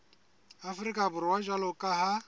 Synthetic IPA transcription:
afʊɾikʼabʊɾɪwaʒalɔkʼaɦa

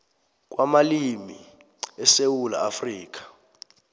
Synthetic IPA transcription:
k̬ʼwʔamalimi | ɛsewula̰ːfriːk̬ʼḁ

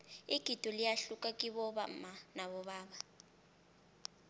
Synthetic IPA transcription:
iɡ̥ʱid̥ʱɔlijaɬukʼakʼiɓɔɓa̰manaɓɔɓaːɓa

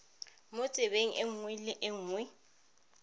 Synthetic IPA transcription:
mʊt͡sʼɪbeŋ̩ʔɪŋ̩wɪlɪʔɪŋ̩ːwɪ

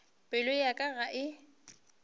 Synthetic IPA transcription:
pʼɪlʊjakʼaɣaʔɪ

